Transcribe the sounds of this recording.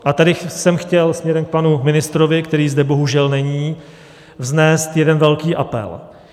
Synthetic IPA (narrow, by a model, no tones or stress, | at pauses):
ʔat̪adɪsɛmxcɛlsmɲɛɾɛmk̚panumɪnɪst̪ɾovɪkt̪ɛɾiːzd̪ɛbo̞ɦuʒɛlnɛɲiː | vznɛːst̪jɛdɛnvɛlkiːʔapɛ̰l